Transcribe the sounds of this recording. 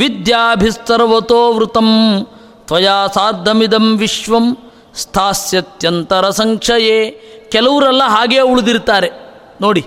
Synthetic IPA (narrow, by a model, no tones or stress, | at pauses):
ʋid̪jaːbʱist̪ɐɾɐʋɐt̪oːʋɾut̪ɐm | t̪ʋɐjaːsaːɾd̪ʱɐmid̪ɐmʋiʃʋɐm | st̪ʰaːsjɐt̪jɐnt̪ɐɾɐsɐŋkʂɐjeːkɛlɐʋuɾɛlːɐɦaːɡeːuɭud̪iɾt̪aːɾe | noːɽi